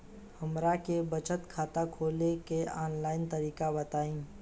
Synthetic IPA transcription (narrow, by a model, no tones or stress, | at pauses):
hɐmɾakebət͡ʃət̪kʰaːt̪akʰoːlekeɔːnlaːɪnt̪ɐɾiːkabɐt̪aːĩː